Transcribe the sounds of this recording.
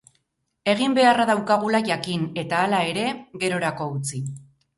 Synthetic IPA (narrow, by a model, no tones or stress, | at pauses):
e̞ɣ̞imbe̞araðawkaɣ̞ulaʝakine̞t̪aːlae̞ɾe̞ɣe̞ɾo̞ɾako̞ut͡si